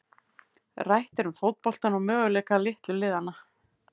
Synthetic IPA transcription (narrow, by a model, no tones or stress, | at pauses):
rajht̪ɛɾʏmfoːwt̪̚pɔl̥t̪anɔɣmœːɣʏlɛːkalɪht̪lʏlɪːðanːa